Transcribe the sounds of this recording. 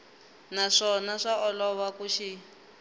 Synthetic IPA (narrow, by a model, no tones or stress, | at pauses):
naʂɔnaʂaɔlɔwakuʃi